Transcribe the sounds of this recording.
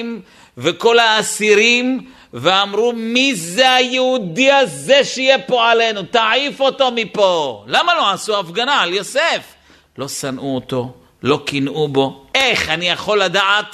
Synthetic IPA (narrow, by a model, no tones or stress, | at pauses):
m | veko̞laːsiɾim | veamʁumizeajeud̪iazeʃeijepo̞ale̞nut̪aifo̞tomipo̞lamalo̞asuafɡanaaljo̞sef | lo̞sanʔuot̪o̞ | lo̞kinʔubo̞ʔe̞χanijaχo̞lːad̪aat